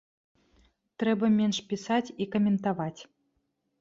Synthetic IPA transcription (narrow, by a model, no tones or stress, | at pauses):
t̪ɾɛbɐmʲenʂpʲisat͡sʲikɐmʲɛnt̪avat͡sʲ